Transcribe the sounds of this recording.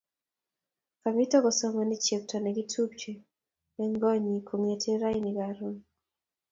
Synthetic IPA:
ka˨mi˦tɔ˦kɔ˨sɔ˦mɔni˦t͡ʃe˨k̚tʰɔ˨nɛ˨ki˦tʰu˦p̚t͡ʃe˨ | ɛ˦ŋɡɔ˦ɲi˨kʰo˨ŋe˨tʰe˦ɾa˦iniɡaɾu˦

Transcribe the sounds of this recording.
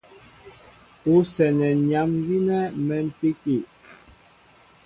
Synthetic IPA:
u˦sɛ˨nɛ˨ɲa˨˦mvi˦nɛ˦mɛ˨m̩˦˨pi˦ki˨

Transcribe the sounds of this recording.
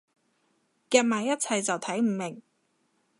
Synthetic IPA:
kɛː˧maː˨˧jɐ˥t̚t͡sʰɐ˧jt͡sɐ˨wt̪ʰɐ˨˥jm̩˨˩mɪ˨˩ŋ

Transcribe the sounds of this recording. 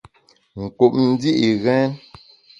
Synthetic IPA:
ŋ̩˨ku˨p̚n̩˦di˦ʔi˨ɣɛ˦n

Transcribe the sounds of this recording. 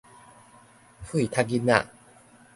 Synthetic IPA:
pʰu˦i˨t̪ʰa˥˧ɡi˦na˥˨

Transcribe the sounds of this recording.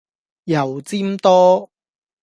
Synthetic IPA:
jɐ˨˩wt͡siː˥mt̪ɔː˥

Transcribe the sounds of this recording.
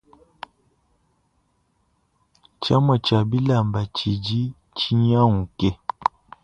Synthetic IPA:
t͡ʃa˦mɔ˨t͡ʃa˨bi˦la˨mba˨t͡ʃi˨d͡ʒi˦ | t͡ʃi˦ɲa˦ŋu˨kɛ˦

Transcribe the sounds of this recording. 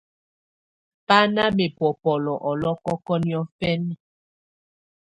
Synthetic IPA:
pa˦na˦me˨pwɔ˨pɔ˨lɔ˨ʔɔ˨lɔ˦kɔ˦kɔ˦njɔ˦fɛ˦nɛ˨

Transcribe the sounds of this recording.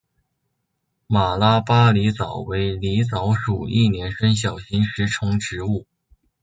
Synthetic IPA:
ma˨˩la˥pa˥li˧˥t͡sɑ˨˩ʊwe˧˥ɪli˧˥t͡sɑ˧˥ʊʂu˨˩i˥˩njɛ˧˥nʂə˥nɕ̬jɑ˨˩ʊɕi˧˥nʂɻ̩˧˥ʈ͡ʂʰʊ˧˥ŋʈ͡ʂɻ̩˧˥u˥˩

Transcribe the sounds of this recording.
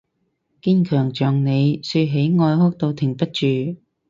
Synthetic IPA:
kiː˥nkʰœː˨˩ŋt͡ʃœː˨ŋne˨˧jsɵ˧ɦe˨˥jŋɔː˧jɦʊ˥k̚t̪o˧wt̪ʰɪ˨˩ŋpɐ˥t̚t͡ʃyː˨

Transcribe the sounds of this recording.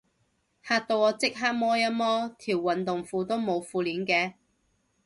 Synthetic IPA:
haː˧k̚t̪o˧wɔː˨˧t͡sɪ˥k̚ɦaː˥k̚mɔː˥jɐ˥mɔː˥t̪ʰiː˨˩wːɐ˨nt̪ʊ˨ŋfuː˨˧t̪o˥wmo˨˧wfuː˨˧liː˨˥nkɛː˧

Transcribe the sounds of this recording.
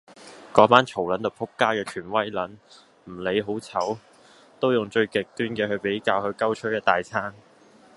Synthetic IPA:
kɔː˨˥paː˥nt͡sʰo˨˩wlɐ˨˥nt̪o˨˩pʰʊ˥kːaː˥kɛː˧kʰyː˨˩nwɐ˥jlɐ˨˥n | m̩˨˩le˨˧jɦo˨˥wt͡sʰɐ˨˥w | t̪o˥wjʊ˨ŋt͡ʃɵ˧ɥkɪ˨k̚t̪yː˥nkɛː˧hɵ˧ɥpe˨˥jkaː˧whɵ˨˧ɥkɐ˥wt͡ʃʰɵ˥jɛ˥˧t̪aː˨jt͡sʰaː˥ŋ

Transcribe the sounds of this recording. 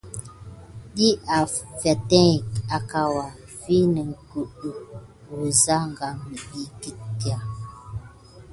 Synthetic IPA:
ɗi˦a˨fɛ˨tɛ̃˦˨ka˨ka˦wa˨ | fi˦nɛ˨ŋ̩˨ku˨ʔu˨ | o˨za˦ŋ˨ɡa˦mi˨ɗi˦ki˦tja˨

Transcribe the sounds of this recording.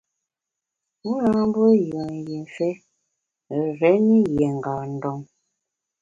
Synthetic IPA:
mu˦na˦m˦bo˦jɔ˨n˨jɛ˨ɱ˨fɛ˦ | ɾɛ˨˦ni˦jɛ˨ŋ˨ɡaː˨n˨dɔ˨ŋ

